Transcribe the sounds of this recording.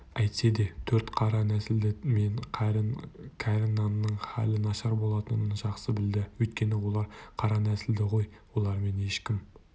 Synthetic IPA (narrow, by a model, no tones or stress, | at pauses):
æjt̪se̞d̪e̞t̪ʰɵɾt̪qʰɑɾɑnæsɪld̪ɪme̞ɴ | kʲʰæɾɪnːɑnːəɴχæ̰lɪnɑʃɑɾbo̞lˠɑt̪ənəɴʒɑqsəbɪld̪ɪwɵjt̪̚kʲe̞nɪwo̞lˠɑɾqʰɑɾɑnæsɪld̪ɪʁo̞jwo̞lˠɑɾme̞ne̞ʃkʲɪm